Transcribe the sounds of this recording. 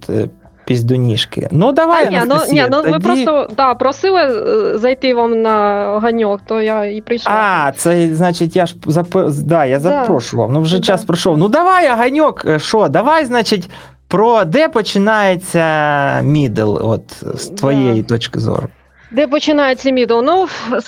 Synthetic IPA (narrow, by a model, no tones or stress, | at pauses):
t̪ | pʲizʲd̪ʊnʲiʂkɪ̰nud̪ɐʋajnʲɐsnʲinuɐmɪpɾost̪ɔd̪apɾɔsɪlˠɪzɐjt̪ɪʋamnɐɐɦɐnʲokt̪ojaipɾɪjʃat̪sɛznat͡ʃɪtʲjaʂpzɐpd̪ajazɐpɾoʂʋɐ̰mnuʐɛt͡ɕaspɾɐʂownud̪ɐʋajɐɦɐnʲokʂod̪ɐʋajznat͡ɕɪtʲ | pɾod̪ɛpɔt͡ɕɪnajɪsʲɐmʲid̪ɨ̰lˠʋo̰t̪st̪ʋɐjejit̪ot͡ɕkɪ̰zo̰r | d̪ɛpɔt͡ʃɪnajɪt͡sʲːɐmʲid̪əlˠnu